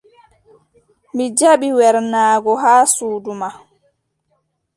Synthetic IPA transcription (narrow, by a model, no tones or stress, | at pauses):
mid͡ʒaɓiwɛɾnaːɡɔɦaːsuːduma